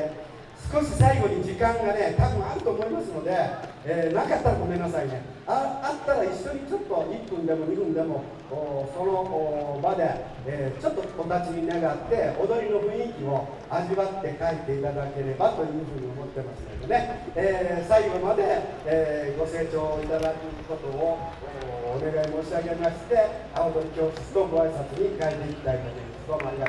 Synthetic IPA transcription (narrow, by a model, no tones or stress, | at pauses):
sɨ̥ko̞ɕisaiɡo̞ɲ̟id͡ʑikãŋɡane̞t̪abɯ̟̃ɰ̃aɾɯ̟t̪o̞ːmo̞imasɨno̞d̪e̞ | eːnakat̪ːaɾaɡo̞me̞nːasaine | aat̪ːaɾaiɕːo̞ɲ̟it͡ɕo̞t̪ːo̞ʔipːɯ̟̃nd̪e̞mo̞ɲiɸɯ̟̃nd̪e̞mo̞ | oːso̞no̞ʔːbad̪e̞ː | t͡ɕo̞t̪ːo̞od̪at͡ɕiɲinaɡat̪ːe̞od̪o̞ɾʲino̞ɸɯ̟̃ɰ̃ikʲio̞ | aʑiβat̪ːe̞kait̪e̞it̪ad̪ake̞ɾe̞bat̪o̞jɯ̟ːɸɯ̟ːɲ̟io̞mo̞t̪ːe̞maɕt̪ed̪oneeːsaiɡo̞mad̪e̞ | ɡo̞se̞ːt͡ɕo̞ːit̪ad̪akɯ̟ko̞t̪o̞o | oːne̞ɡaemo̞ːɕiaɡe̞maɕi̥t̪e̞ | aod̪oɾʲikʲo̞ːɕɨ̥sɨ̥t̪o̞ɡoaisat͡sɨɲ̟ikaet̪e̞ikʲi̥t̪ait̪ot̪od̪esɨɡomaia